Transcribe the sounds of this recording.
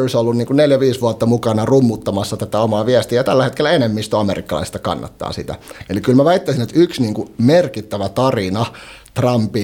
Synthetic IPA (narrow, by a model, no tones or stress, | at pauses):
rsolːunniːŋkunneljæʋiːsʋuɑt̪ːɑmukɑnɑrumːut̪ːɑmɑsːɑt̪æt̪æomɑːʋiæst̪iæjɑt̪ælːæhet̪̚kelːˑæenemːist̪oɑmeɾikːɑlɑ̰ist̪ɑkɑ̰nːɑ̰t̪ːɑ̰ːsḭt̪æ̰elikylmæʋæit̪ːæisinet̪yksniːŋkumerkit̪ːæʋæt̪ɑrinɑ | t̪rɑmpi